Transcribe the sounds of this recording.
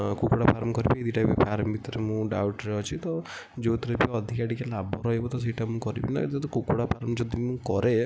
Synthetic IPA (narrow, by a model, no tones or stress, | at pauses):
kukoɽapʰaɾmkɔɾibied̪ʱiʈapipʰaɾmbʱit̪ɔɾemũɖawʈɾeɔt͡ʃʰit̪ɔ | d͡ʒot̪ɔɾepiɔd̪ʱikaɽikelabʱɔɾɔɦebɔt̪ɔs̬eiʈʰamũkɔɾḭbḭna̰t̪ɔt̪ɔkukoɽapʰaɾmd͡ʒɔd̪imũkɔɾe